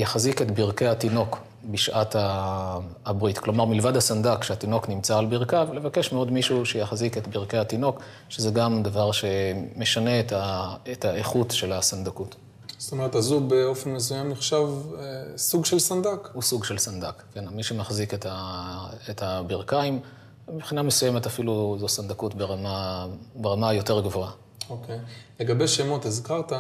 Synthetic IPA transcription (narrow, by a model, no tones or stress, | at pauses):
jaχaziketbiʁke̞hat̪ino̞k | biʃʔataː | bʁitklo̞maʁmilvadasandakʃeat̪ino̞knimt͡saːlbiʁkavle̞vakeʃmeo̞dmiʃuuʃejaχziketbiʁke̞jhatino̞k | ʃezeɡamd̪avaʁʃe̞me̞ʃane̞ːtaetaeχutʃelasand̪akut | zo̥t̪omeʁet̪azubeo̞fenmes̬ujamniχʃavsuɡʃelsand̪akhusuɡʃe̞lsand̪akkːenmiʃemaχziketa | etabiʁkaim | ibχinamesujemetafiluzosand̪akutbeʁamabeʁamajo̞te̞ʁɡvo̞a | okejleɡabejʃemo̞tizkaʁta